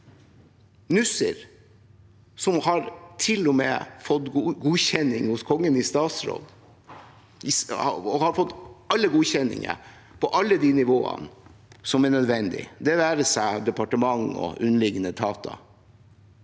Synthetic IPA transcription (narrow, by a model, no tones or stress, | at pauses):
nʉsə̰ɾ | sɔmhɑɾt̪ʰɪlɔmḛːfɔt̪ɡuːçɛnɪŋhʊskʰɔŋːənɪst̪ɑːt̪sɾo̰ːd̪ | ɪsɔhɑɾfɔt̪ːʔɑlːəɡuːçɛnɪ̰ŋə̰ | pʰɔʔɑlːəd̪iːnɪʋoːə̰nsɔmɛɳœd̪ʋɛnd̪ɪ̰d̪ɛʋæːɾəsæɪd̪ɛpɑʈəmɑŋɔ̰ʔʉnəlɪɡənət̪ʰɑːt̪ʰɑ̰